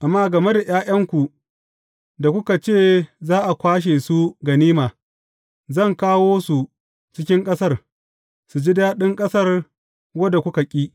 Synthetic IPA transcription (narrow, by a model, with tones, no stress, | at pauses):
ʔa˨mːaː˦ɡɐ˨me˦da˨j̰aː˦jɐ˦ŋkʷu˨ | da˨kʷʊ˦ka˨t͡ʃeː˦˨zaː˦ʔa˨kʷaː˦ʃ̬e˨su˦ɡɐ˨niː˦maː˨ | zɐ˦˨ŋkaː˦woː˦su˨ | t͡ʃɪ˦kʲɪ˦ŋkʼɐ˦sɐ˦r | su˨d͡ʒi˦daː˦ɗɪ˦ŋkʼɐ˦sɐ˦r | wɐ˦da˨kʷʊ˦ka˨kʲʼiː˦